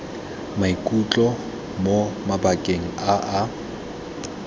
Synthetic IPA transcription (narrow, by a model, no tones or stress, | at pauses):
maikʼut͡ɬʼɔ | momabakʼeŋ̩aʔa